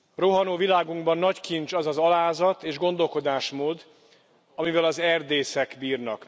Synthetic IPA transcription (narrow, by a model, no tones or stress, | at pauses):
roɦɒnoːvilaːɡuŋɡbɒnːɒckint͡ʃɒzɒzɒlaːzɒt̪eːʒɡo̞n̪d̪o̞lko̞d̪aːʃmoːd̪ | ɒmivɛlɒzɛrd̪eːsɛkbiːrnɒ̰k